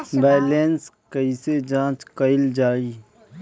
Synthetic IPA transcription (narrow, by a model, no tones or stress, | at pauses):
bɛːleːnskəised͡ʒãːt͡ʃkəɪld͡ʒaːiː